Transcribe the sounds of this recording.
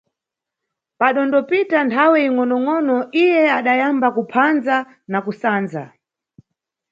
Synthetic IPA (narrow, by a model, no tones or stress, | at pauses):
paɗɔndɔpitantʰawɛiŋɔnɔŋɔnɔʔijɛaɗajambakupʰanza | nakusaːnza